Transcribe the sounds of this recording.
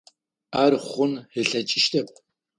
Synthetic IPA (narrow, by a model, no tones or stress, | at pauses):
aːrχʷʊnhɨɬɐt͡ʃʼɪʃtʰɐp̚ʼ